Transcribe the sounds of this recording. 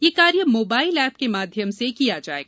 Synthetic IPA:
jekaːɾjəmoːbaːɪlɛːpkemaːd̪ʱjəmsekijad͡ʒa̰ːḛːɡa

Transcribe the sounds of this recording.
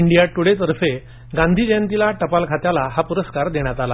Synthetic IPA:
iɳɖijaʈuɽet̪əɾfe | ɡãnd̪ʱid͡ʑant̪ilaʈəpalkʰat̪jalaɦapuɾəskaɾd̪eɽ̃jat̪ala

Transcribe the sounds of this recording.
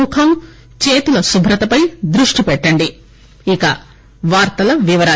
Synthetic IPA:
ukʰɐm | t͡ʃeːt̪ulɐsubʱɾɐt̪ɐpɐjd̪ɾuʂʈipɛʈːɐɳɖi | ikɐ | ʋaːɾt̪ɐlɐʋiʋɐɾaː

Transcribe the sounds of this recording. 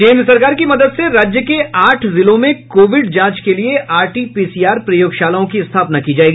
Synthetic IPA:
kẽːnd̪ɾəsɐɾkaːɾkimɐd̪əd̪seɾaːd͡ʒjəkeaːʈʰzɪlõmẽkoːʋɪɖd͡ʒãːt͡ʃkelieʔaːɾʈiːpiːsijaːɾpɾɐjoːɡʃaːlaõkiɪst̪ʰaːpnakid͡ʒaːeːɡi

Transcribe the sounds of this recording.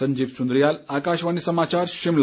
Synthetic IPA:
əɲd͡ʑiːpsund̪ɾijalakaɕʋañisəmat͡ɕaɾɕiml

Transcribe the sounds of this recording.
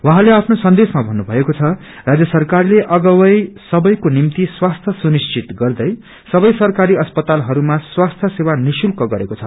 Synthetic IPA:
wãɦãleapʰnosʌnd̪esmabʱʌnːubʱʌekot͡sʰʌ | rad͡zjʌsʌrkarleʔʌɡʌwʌjsʌbʌjkonimt̪iswast̪ʰʌsunist͡ʃit̪ɡʌrd̪ʌj | sʌbʌjsʌrkaɾiʌspʌt̪alɦʌɾumaswast̪ʰʌsewanisulkʌɡʌɾekot͡sʰʌ

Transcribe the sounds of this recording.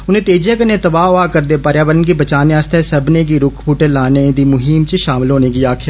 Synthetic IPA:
ʊn̤ẽːt̪eːd͡ʒjakənẽt̪əbaːʊaːkəɾd̪eːpəɾjaːʋəɾənk̬ibət͡ʃaːneaːst̪ʰɛsəbnek̬iɾʊkʰpʰuʈəlaːned̪iːmʊɦimt͡ʃəʃaːmɪlɦoːnekiaːkʰɪjaː

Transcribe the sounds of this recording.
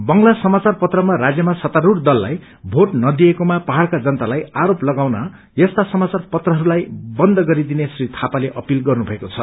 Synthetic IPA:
bʌŋlasʌmat͡sarpʌt̪rʌmaɾad͡zjʌmasʌt̪aɾurd̪ʌlːa̰j | bʱoʈnʌd̪iekomapʌɦaɽkad͡zʌnt̪alajaɾoplʌɡawna | jʌst̪asʌmat͡sarpʌt̪rʌɦʌɾulajbʌnd̪ʌɡʌɾid̪inesrit̪ʰapaleʔʌpilɡʌrnubʱʌekot͡sʰʌ

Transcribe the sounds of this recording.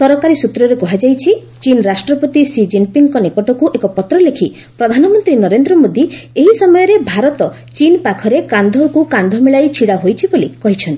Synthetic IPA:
sɔɾɔkaɾisut̪ɾɔɾekɔɦad͡ʒajt͡ʃʰi | t͡ʃinɾasʈɾɔpot̪isid͡ʒimpiŋkɔnikɔʈɔkuʔekɔpɔt̪ɾɔlekʰi | pɾɔd̪ʱanɔmɔnt̪ɾinɔɾend̪ɾɔmod̪ieɦisɔmɔjɔɾebʱaɾɔt̪ɔ | t͡ʃinpakʰɔɾekand̪ʱɔɾkukand̪ʱɔmeɭajt͡ʃʰiɽaɦojt͡ʃʰibolikɔɦit͡ʃʰɔnt̪ii

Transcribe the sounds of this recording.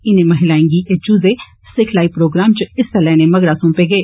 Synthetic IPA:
ɪnẽːməɦɪlaːẽːŋɡiːʔed͡ʒuːzeː | sɪkʰlaːipɾoːɡɾaːmt͡ʃɪsəlɛːneːməɡɾaːsʊ̃ːpeːɡeː

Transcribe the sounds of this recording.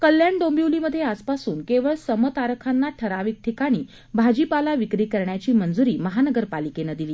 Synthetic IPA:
kəlːjaɳɖombjuliməd̪ʱjeaspasuːnkeʋəɭsəmət̪aɾkʰanːaʈʰəɾaʋiːk̚ʈʰikaɽ̃iː | bʱad͡ʑipalaʋikɾiːkəɾɳjat͡ɕiːmənd͡zuɾiːməɦanəɡəɾpalikenəd̪iliː

